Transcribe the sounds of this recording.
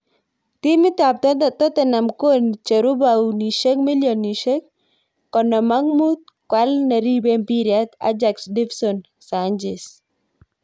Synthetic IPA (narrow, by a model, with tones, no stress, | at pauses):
t̪i˦mɪ˦t̪a˨p̚t̪ɔ˦d̪ɔ˨t̪ɔ˦t̪ɛ˨na˨mko˦nt͡ʃe˨ɾu˦bawni˨ʃe˦kmɪ˦ljɔ˨ni˨ʃe˦kː | ɔ˨nɔ˨ma˦ŋmu˦t̪̚kwa˦lna˨ɾi˦bempi˦ɾjat̪a̰˦d͡ʒa˨ksdɪ˦fsɔn | saɲd͡ʒɛs